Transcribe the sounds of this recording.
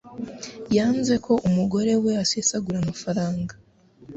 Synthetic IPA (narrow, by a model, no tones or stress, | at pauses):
jaːnze̞kʰo̞ʔumuɡo̞ɾe̞we̞asesaɡuɾamafaɾaːŋɡa